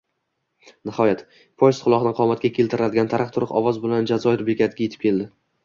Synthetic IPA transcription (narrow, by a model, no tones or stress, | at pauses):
nɪhɒjat̪ | pʰojst̪qʰʊlˠɒχnɪqʰɒmat̪̚kʲakʲʰe̞lt̪ʰɪɾɪad̪ɪɡʲant̪ʰaɾɨχt̪ʰʊɾɪqɒvɒzbʊland͡ʒazɒɪɾbekʲat̪ʰɪɡʲaje̞t̪ɪ̥p̚kʰʲe̞ld̪ɪ